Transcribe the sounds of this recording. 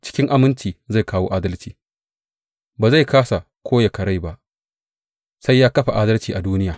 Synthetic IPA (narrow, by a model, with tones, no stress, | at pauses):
t͡ʃɪ̥˦kʲɪ˦ŋʔa˨mɪ˦nt͡ʃiː˨za˦˨jkaː˦wo̰ː˦ʔaː˦dɐ˦lt͡ʃiː˨ | baː˨za˦˨jkaː˦sa˨ | kʷʰoː˦ja˨kɐ˨ɽa˦˨jba˦ʔ | sa˦jːaː˦kɐ˦ɸa˨ʔaː˦dɐ˦lt͡ʃiː˨ʔa˨duː˦nɪ˦jaː˨